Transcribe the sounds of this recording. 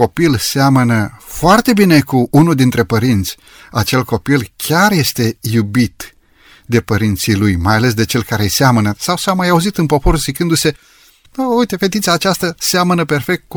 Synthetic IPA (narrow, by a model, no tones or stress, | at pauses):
o̞pilseamənəfoart̪e̞bine̞kuʔunuld̪int̪ɾe̞pəɾint̪sʲ | at͡ʃe̞lko̞pilkʲarje̞st̪e̞jubit̪ | d̪e̞pəɾint̪silujmajale̞s̬d̪e̞t͡ʃe̞lkaɾeseamənəsawsamajauzit̪ɨnpo̞po̞ɾuzikɨnd̪use̞ | əujt̪e̞fe̞t̪it̪sʲaːt͡ʃast̪əseamənəpe̞rfe̞k̚t̪̚ku